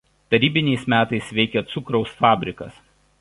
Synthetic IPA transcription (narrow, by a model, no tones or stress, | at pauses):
t̪ɐɾʲiːbʲɪnʲɛɪsmʲæːt̪ɐɪsʋʲɛɪkʲɛt̪sʊkɾɒʊsfɑːbʲɾʲɪkɐ̰s